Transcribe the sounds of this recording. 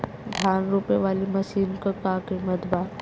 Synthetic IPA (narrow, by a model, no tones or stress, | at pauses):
d̪ʱjaːnɾuːpjeʋaːlimɐsiːnkakaːkemɐd̪baː